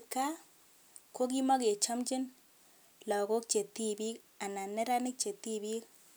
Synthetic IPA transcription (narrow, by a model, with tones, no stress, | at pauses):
ka˦ | ko˦k̬i˦mɔ˦ke˨t͡ʃɔ˦mt͡ʃɪ˦n | lɔ˨ko˦k̚t͡ʃe˨t̪i˦bi˦k | a˨na˨nɛ˦ɾa˦nɪ˦k̚t͡ʃe˨t̪ːi˦bi˦k̚